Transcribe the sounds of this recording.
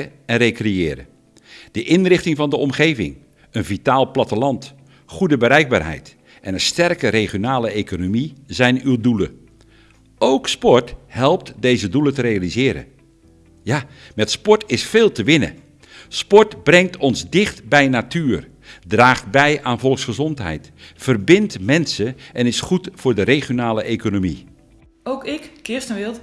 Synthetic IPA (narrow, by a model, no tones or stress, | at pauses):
əɛnrejkrejɪːɾə̰ | d̥əʔɪnrɪχtɪŋvɑndəɔmχejvɪ̰ŋ | ənvitaːlˠplɑtəlɑnt | χudəbəɾɛjɡ̚ba̰ːɹɦɛ̰jt | ʔɛnənstɛrkəɾeχjonaːləejkonomizɛjnywdulə̰ | owkspɔɹthɛlˠp̚tdejzədulətəɾejalizɪːɾə̰n | jamɛtspɔɹtɪsfeːlˠtəʋɪnə̰ | spɔɹtbrɛŋtʰɔnzdɪχtbɛjnatyːr | draːχtbɛjaːnvɔlˠksχəzɔntɦɛ̰jtfərbɪntmɛnsəʔɛnɪsχutfʊːɹdəɾejχjonaːləʔejkonomi | okɪkkɪstənʋɪlˠ